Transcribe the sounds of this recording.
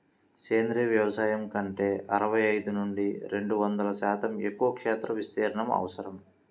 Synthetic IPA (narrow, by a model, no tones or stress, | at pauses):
keːnd̪ɾiʋjɐʋɐsaːjɐmkɐɳʈeːʔɐɾɐʋɐjɐjd̪unuɳɖiɾe̞ɳɖuʋɐnd̪ɐlɐʃaːt̪ɐmekːuʋɐkʂɛːt̪ɾɐʋist̪eːɾɐɳɐmɐ̰ʋɐsɐɾɐm